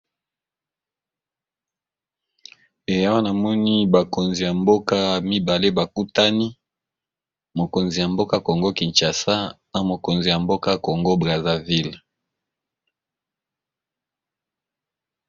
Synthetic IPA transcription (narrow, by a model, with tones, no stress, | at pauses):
e˨ja˦wa˦na˨mɔ˦ni˦ba˨ko˨nzi˨ja˨mbo˦ka˦mi˦ba˨le˦ba˨ku˦ta˦ni˦ | mo˨ko˨nzi˨ja˨mbo˦ka˦˨ko˨ŋɡo˦ki˨nt͡ʃa˨sa˦na˨mo˨ko˨nzi˨ja˨mbo˦ka˦ko˨ŋɡo˦bʁa˨za˨vi˦l